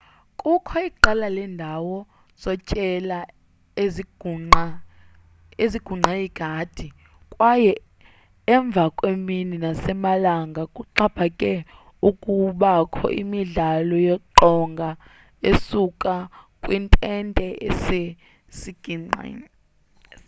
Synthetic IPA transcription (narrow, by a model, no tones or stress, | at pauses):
kʼukʰɔiǃalalɛndʱawɔ | z̥ɔt͡ʃʼɛla | eza | eziɡ̥ʱuŋ͡ǀʱajiɡ̥ʱad̥ʱi | kʼwajɛ | ɛɱb̪vʱakʼwemininasɛmalaŋɡʱakʼuǃab̥ʰʱakʼɛ | ukʼuɓakʰɔ̰ʔḭmiɮalɔjɔǃɔŋɡʱa | esukʼakʼwintʼɛntʼɛḛse | siɡ̥ʱiŋ͡ǀa̰n